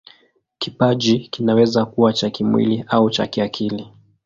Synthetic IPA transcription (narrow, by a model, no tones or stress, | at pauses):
kipaʄikinawɛzakuwat͡ʃakimwḭliaut͡ʃa̰kiakʰili